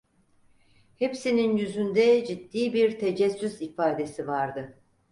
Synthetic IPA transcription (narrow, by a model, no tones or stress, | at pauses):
hepsininjyzynd̪ɛd͡ʒid̪ːiːbiɾt̪ʰed͡ʒɛsːyzifaːd̪e̞sivaɾd̪ɯ